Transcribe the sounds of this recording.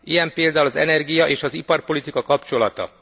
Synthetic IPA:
ijɛmpeːld̪aːulɒzɛ̰nɛrɡijɒʔeːʃɒzipɒrpo̞lit̪ikɒkɒpt͡ʃo̞lɒt̪ɒ̰

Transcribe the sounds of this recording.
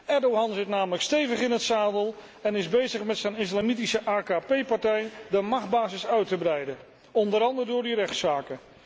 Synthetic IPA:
ɛɹdowɦɑnzɪtnaːmələkstejvəχɪnətsaːdəlˠ | ɛnɪzbejzəχmɛtsɛjnɪslamitisəʔaːkaːpejpɑɹtɛjdəmɑχd̚baːzɪsœɥtəbrɛjdə | ɔndəɾɑndəɹdʊːɹdirɛχtsaːkə

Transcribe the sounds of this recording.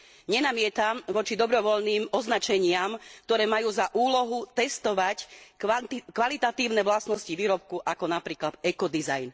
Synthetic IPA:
ɲɛnamɪɛt̪amʋɔt͡ʃid̪ɔbɾɔʋɔʎniːmɔznat͡ʃɛɲɪamk̚t̪ɔɾɛːmajuːzaʔuːlɔɦut̪ɛst̪ɔʋac̪ | kʋalit̪at̪iːʊnɛʋlasnɔsciʋiːɾɔp̚kuʔakɔnapɾiːklat̪ɛkɔd̪iza̰jn

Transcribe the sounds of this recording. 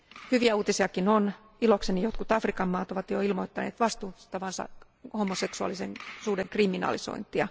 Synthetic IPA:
hyʋiæuːt̪isiɑkinon | iloksenijot̪kut̪ɑfrikɑmːɑːt̪oʋɑt̪joilmoit̪ːɑnḛːt̪ʋɑst̪uːsi̥t̪ːæʋɑnsɑ̰ | homoseksuɑ̰liseŋsuːdeŋkriminɑ̰liso̰int̪ˑiɑ

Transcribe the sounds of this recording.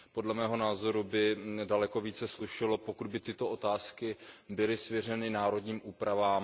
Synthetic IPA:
po̞dlɛmɛːɦo̞naːzo̞ɾubɪdalɛko̞viːt͡sɛsluʃɪlopo̞kud̚bɪt̪ɪt̪o̞ʔo̞t̪aːskɪbɪlɪsvjir̝ɛnɪnaːɾo̞dɲiːmʔuːpɾavaːm

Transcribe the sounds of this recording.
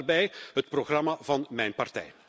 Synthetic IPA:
rbɛjɦətproɣrɑmavɑnmɛjnpɑrtɛ̰j

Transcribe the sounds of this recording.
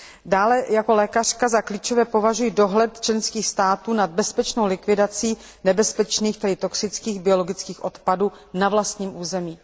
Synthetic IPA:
daːlɛjako̞lɛːkarkazakliːt͡ʃo̞vɛːpo̞vaʒujido̞ɦlɛt̪t͡ʃlɛnskiːxst̪aːt̪uːnad̪̚bɛspɛt͡ʃnowlɪkvɪdat͡siː | nɛbɛspɛt͡ʃniːxt̪ɛdɪt̪o̞ksɪt͡skiːɣbɪo̞loɡɪt͡skiːxʔo̞t̪paduː | navlast̪ɲiːmʔuːzɛmiː

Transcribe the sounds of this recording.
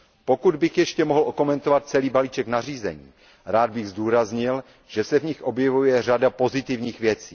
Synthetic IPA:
po̞kud̪bɪxjɛʃcɛmo̞ɦl̩ʔoko̞mɛnt̪o̞vat̪̚t͡sɛliːbaliːt͡ʃɛknar̝iːzɛ̰ɲḭː | ɾaːd̪̚bɪɣzduːɾazɲɪl | ʒ̥ɛsɛvɲɪxʔo̞bjɛvujɛr̝adapo̞zɪt̪ɪvɲiːxvjɛt͡siː

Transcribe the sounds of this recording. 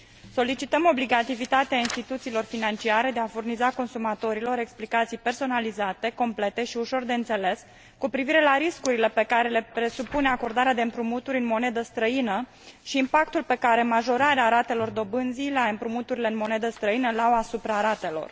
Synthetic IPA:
so̞lit͡ʃit̪əmo̞bliɡat̪ivit̪at̪eainst̪it̪ut̪siːlo̞rfinant͡ʃiaɾe̞d̪e̞afurnizako̞nsumat̪o̞ɾilo̞ɾe̞ksplikat̪sijpe̞rso̞nalizat̪e̞ko̞mple̞t̪e̞ʃiuʃo̞rd̪e̞ɨnt̪se̞le̞s | kupɾiviɾe̞laɾiskuɾile̞pe̞kaɾe̞le̞pɾe̞supune̞ako̞rd̪aɾead̪e̞ɨmpɾumut̪uɾʲɨnmo̞ne̞d̪əst̪ɾəinə | ʃiːmpak̚t̪ulpe̞kaɾe̞maʒo̞ɾaɾeaɾat̪e̞lo̞rd̪o̞bɨnzileaɨmpɾumut̪uɾileɨnmo̞ne̞d̪əst̪ɾəinəlawasupɾaɾat̪e̞lo̞̰r

